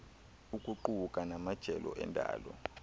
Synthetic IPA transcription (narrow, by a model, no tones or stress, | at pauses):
ukʼuǃuukʼanamad̥ʒ̥ʱɛlɔ̰ʔɛndʱa̰ːlɔ